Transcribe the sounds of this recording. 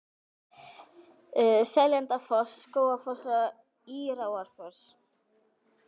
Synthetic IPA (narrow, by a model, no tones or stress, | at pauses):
sɛljɛnt̪afɔskoːwafɔsa | iːɾawaɾ̥fɔs